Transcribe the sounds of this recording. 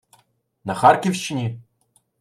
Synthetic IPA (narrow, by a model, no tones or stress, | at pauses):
nɐxarkʲiwʃt͡ʃɪnʲi